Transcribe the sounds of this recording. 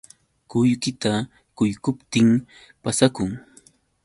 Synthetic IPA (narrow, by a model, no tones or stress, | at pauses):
kʊjkɪt̪a | kʊjkʊpt̪ɪŋ | pasakʊŋ